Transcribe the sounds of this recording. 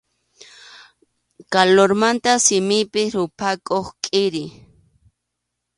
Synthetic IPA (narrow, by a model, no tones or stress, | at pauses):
kaloɾmant̪asɪmɪpɪɾʊpʰakoχkʼɪɾɪ